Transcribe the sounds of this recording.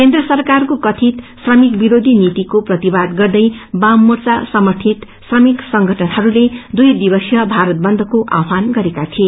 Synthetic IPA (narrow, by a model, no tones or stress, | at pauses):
kend̪rʌsʌrkarkokʌt̪ʰit̪srʌmikbiɾod̪ʱinit̪ikoprʌt̪ibad̪ɡʌrd̪ʌjbamːurt͡sasʌmʌʈ̪ʰit̪ | srʌmiksʌŋɡʱʌʈʰʌnhʌɾuled̪ujd̪ibʌsjʌbʱaɾʌt̪̚bʌnd̪ʱʌkoʔa̰pʰanɡʌɾekat̪ʰie